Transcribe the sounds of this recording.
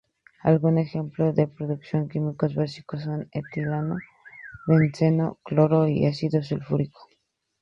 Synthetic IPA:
a̰lɣune̞xe̞mploðepɾoðuksjo̞ŋkimikozβasi̥kosːonet̪ilano | βensenokloɾoḭasiðos̬ulfuɾiko̥

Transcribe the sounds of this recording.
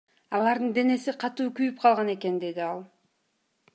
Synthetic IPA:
ɑlˠɑɾd̪ɯnd̪e̞ne̞siqʰɑt̪uːkyjyp̚qʰɑlˠʁɑne̞ke̞nd̪e̞d̪iɑlˠ

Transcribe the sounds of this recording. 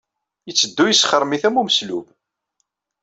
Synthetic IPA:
jət͡sːəd̪ːujəsχəɾˤmiθæmuməslub

